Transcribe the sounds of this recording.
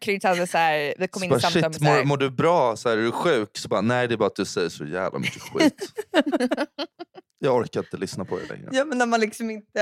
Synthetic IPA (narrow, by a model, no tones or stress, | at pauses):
kʰɾyːt̪ad̪əsæːɾdɪkʰɔmːɪnb̪aʂɪmʊɾmʊɖɵbɾɑːsɔæːɾɛɖɵɧʉ̟ːksɔbɑːɾanæɪd̪ɛːbɑːɾat̪̚d̪ɵsɛjːəʂɔjæ̰ːvlʔa̰mʏ̰kːəɧḭt̪ | jɑːɡɔɾkaɪnt̪əlʏsnapʰɔd̪ɛ̰lɛ̰ŋːɾə̰jɑːmɛnːæmanlɪksɔmɪnt̪ə